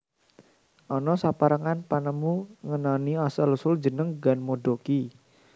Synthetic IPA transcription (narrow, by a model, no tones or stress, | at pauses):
ʔɔnɔsapaɾəŋanpanəmuŋənaniasəlusʊld͡ʒə̤nəŋɡanmoɖoki